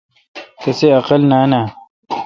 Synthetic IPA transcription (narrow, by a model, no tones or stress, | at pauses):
kɐseɐqɐlnaːnaː